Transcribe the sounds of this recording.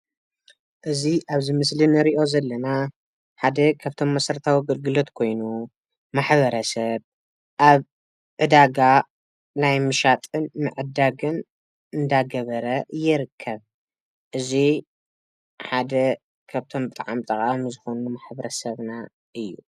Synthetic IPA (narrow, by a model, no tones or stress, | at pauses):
ʔɨziʔaβzimɨslinɨɾiʔo̞zɐlːɐna | ħad̪ɐkʰaβt̪ʰo̞mːɐsɐɾt̪ʰawiɡɨlɡɨlo̞t̪kʰo̞jnu | maħbɐɾɐsɐβ | ʔaβ | ʕɨd̪aɡa | najmɨʃat̪ʼɨnmɨʕɨd̪aɡɨn | ɨnd̪aɡɐβɐɾɐjːɛɾɨkʰːɐβ | ʔɨzi | ħad̪ɐ | kʰaβt̪ʰo̞mbɨt̪ʼaʕa̰mt̪ʼɐkʼawmzɨxo̞numaħbɐɾɐsɐβna | ʔɨjːu